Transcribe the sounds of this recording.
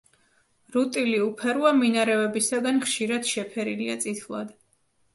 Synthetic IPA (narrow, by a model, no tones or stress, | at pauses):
ɾut̪ʼiliupʰɛɾwaminaɾɛvɛbisaɡanχʃiɾad̪̥ʃɛpʰɛɾiliat̪sʼit̪ʰlˠa̰d̪